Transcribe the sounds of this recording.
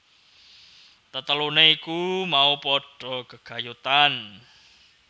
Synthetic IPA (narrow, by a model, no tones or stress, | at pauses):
t̪ət̪əluneikumaupɔɖ̥ɔ̤ɡ̥ə̤ɡ̥a̤jut̪an